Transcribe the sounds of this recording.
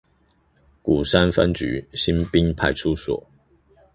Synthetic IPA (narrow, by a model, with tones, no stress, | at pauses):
ku˨˩sa˥nfa̰˥nt͡ɕy̰˧˥˦ɕi˥npi˥˦ŋpʰa˥˧ɪʈ͡ʂʰu˥swɔ̰˨˩˦